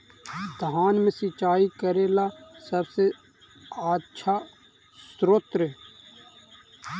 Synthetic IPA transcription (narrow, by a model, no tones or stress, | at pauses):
d̪aːnmẽsit͡ʃaːikəɾeːlasəbse | aːʃʰaː | sɾoːt̪ɾe